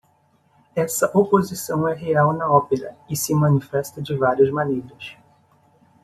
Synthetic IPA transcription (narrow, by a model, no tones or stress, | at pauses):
ɛsɐʔopozisɐ̃w̃ɛɦeawnɐɔpeɾɐ̰ɪsɪmɐ̃nifɛst̪ɐd͡ʒɪvaɾiɐzmɐnejɾɐs